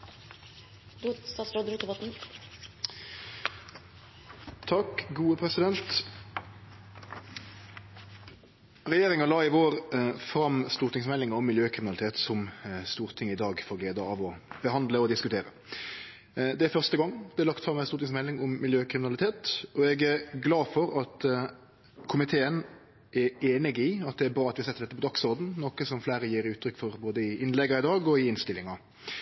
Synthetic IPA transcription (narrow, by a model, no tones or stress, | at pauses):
d̪usɑːsɾɔd̪ɾut̪əʋɔt̪n̩ | t̪ʰɑkɡuːəpʰɾɛsɪd̪ɛnt̪ | ʁɛjeːɾɪŋɑlɑːɪʋoːʁfɾɑmst̪uːʁt̪ɪŋsmɛlːɪŋɔmːɪljøːkʰɾɪmɪnɑlɪt̪eːt̪sɔmst̪uːʁt̪ʰɪŋəɪd̪ɑːɡfɔʁɡleːd̪əɑːʋɔb̥əhɑnd̪ləɔd̪ɪskʉt̪ʰeːɾə̰ | d̪ɛæfœʁst̪əɡɑŋːd̪ɛæɾlɑkt̪fɾɑmːɛɪstuːɾt̪ɪŋsmɛlːɪŋʊmːɪljøːkʰɾɪmɪnɑlɪt̪ʰeːt̪ɔɛɡæɾɡlɑːdfɔɾɑt̪ | kʰʊmɪt̪ʰeːən | ʔɛeːnɪɡɪɑt̪̚d̪ɛæɾbɾɑːɑt̪ʋɪɑsɛt̪ːəɾɖ̪ɛt̪ːəpɔd̪ɑksɔɾd̪n̩nɔkəsɔmflæːɾəjiːɾʉːt̪ʰːɾʏkːfɔʁboːd̪əɪɪnlɛɡɑɪd̪ɑːɡɔɪɪnst̪ɪlɪŋɑ